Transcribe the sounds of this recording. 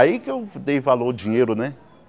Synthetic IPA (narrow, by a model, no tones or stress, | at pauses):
jikefdeifalod͡ʒiɲeɾonɛ